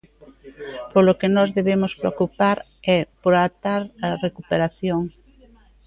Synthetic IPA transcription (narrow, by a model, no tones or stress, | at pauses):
polokenɔzðeβemʊspɾeokupaɾ | ɛpoɾat̪aɾɐrekupeɾaθjoŋ